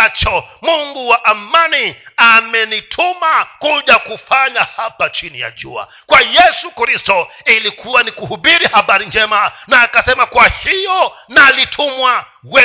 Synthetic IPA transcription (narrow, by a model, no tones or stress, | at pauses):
at͡ʃɔmuŋɡuwaʔamaniamɛnitʰumakuʄakufaɲahapat͡ʃinija̰ʄṵa̰ | kwajɛsukɾistɔilikʰuwanikuhuɓiɾihaɓaɾind͡ʒɛmanaːkasɛmakwahijɔnalitʰumwa | wɛ